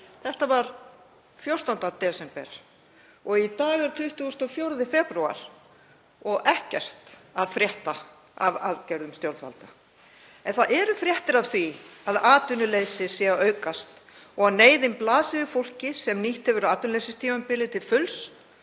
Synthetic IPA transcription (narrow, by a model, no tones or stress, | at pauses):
θɛht̪avaɾ̥ | fjowr̥st̪ant̪at̪ɛːsɛmpɛ̰ɾ̥ | ɔɣit̪aːɣɛɾt̪ʰʏht̪uʏsnt̪ɔfjowɾðɪfɛpɾua̰ɾ̥ | ɔɣʔɛhcɛr̥t̪aðfɾjɛht̪a | ava̰ðcɛɾðʏmst̪jowɾðfa̰lt̪a | ɛnθaðɛɾʏfɾjɛht̪ɪɾavθviaðaːt̪ʏnʏleːjsɪsɛɣaʔœɥkast̪ɔɣaneːjðɪnplaːsɪvɪfowl̥cɪsɛmniht̪hɛvʏɾaːt̪ʏnlejsɪst̪ʰiːanpɪlɪt̪ʰɪlfʏls